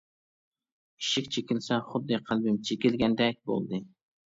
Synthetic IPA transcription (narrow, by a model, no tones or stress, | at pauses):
i̥ʃikʲt͡ʃʰekʲɪlsɛχʊd̪ːɨqʰælbɪmt͡ʃʰekʲɪlɡʲɛnd̪ɛk̚ʲbo̰lˠd̪ɨ